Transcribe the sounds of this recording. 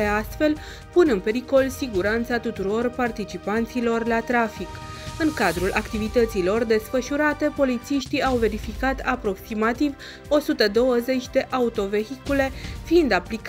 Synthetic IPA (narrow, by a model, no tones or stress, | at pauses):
east̪fe̞l | punɨnpe̞ɾiko̞lsiɡuɾant̪sat̪ut̪uɾo̞rpart̪it͡ʃipant̪silo̞rlat̪ɾafik | ɨŋkad̪ɾulʔakt̪ivit̪ət̪silo̞rd̪e̞sfəʃuɾat̪e̞po̞lit̪siʃt̪iawve̞ɾifikat̪ʰapɾo̞ksimat̪iv | o̞sut̪əd̪o̞wəze̞t͡ʃʲd̪e̞ʔaut̪o̞ve̞ɦikule̞fiːnd̪aplik